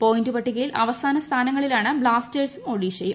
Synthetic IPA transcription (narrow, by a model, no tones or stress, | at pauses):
po̞ːjindɨpɐʈːikːilʔɐʋɐsaːnɐst̪ʰaːnɐŋːɐɭilaːɳɨbɭaːsteːrsɨmoːɽiːt͡ɕejːu